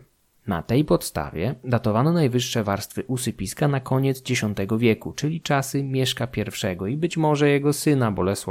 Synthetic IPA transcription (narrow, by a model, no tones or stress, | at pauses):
na̰t̪ɛjpɔt̪st̪a̰vʲjɛd̪at̪ɔvanɔnajvɘʂːɛvaɾst̪fɘʔusɘpʲiskanakɔɲɛd̪zd͡ʑeɕɔnt̪ɛɡɔvʲjɛkut͡ʂɘlʲit͡ʂasɘmʲjɛʂkapʲjɛɾfʂɛɡɔibɘt͡ɕmɔʐɛjɛɡɔsɘnabɔlɛswa̰